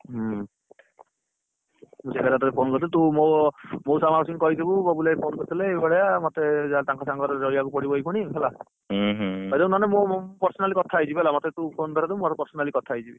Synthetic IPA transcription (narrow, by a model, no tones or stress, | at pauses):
ɦ | mũsekaɾat̪ɔt̪epʰonkɔɾt̪ʰilet̪umomowsamaɾsiŋkɔɦit̪ʰibubɔbulajpʰonkɔɾt̪ʰileːbaɽɔjamɔt̪ed͡ʒat̪ãŋkʰɔsaŋkɔɾɔɾɔjakupɔɽibɔikuɽ̃iɦelã | ɦɔd̪ɔwnanemopɔɾsɔnalikɔt̪ʰaːjt͡ʃʰibielamɔt̪et̪ũpʰond̪ʱɔɾad̪ebmat̪ɔpɔɾsɔnalikɔt̪ʰaːjt͡ʃʰibi